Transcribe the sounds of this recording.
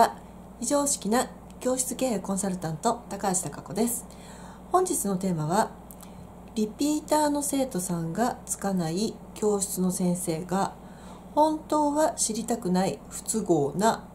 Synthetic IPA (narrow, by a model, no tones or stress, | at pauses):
a | iʑo̞ːɕi̥kʲina | kʲo̞ːɕi̥t͡sɨke̞ːekõ̞saɾɯ̟t̪ãnt̪o̞t̪akaːɕi̥t̪akako̞d̪e̞sɨ̥ | hõ̞ɲ̟d͡ʑit͡sɨno̞t̪e̞ːmaβa | ɾʲipʲiːt̪aːno̞se̞ːt̪o̞sãŋɡat͡sɨ̥kanai | kʲo̞ːɕi̥t͡sɨno̞sẽ̞ɰ̃se̞ːɡa | hõ̞nt̪o̞ːβaɕiɾʲit̪akɯ̟naiɸɯ̟̥t͡sɨɡo̞ːna